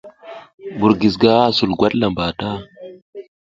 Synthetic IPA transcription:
bu˨ɾɡi˨s̬ɡa˦a˦su˨lɡwa˦tla˨mba˨ta˦

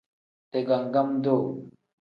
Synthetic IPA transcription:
t̪e˨ɡa˨ŋɡa˦md̪o˦˨

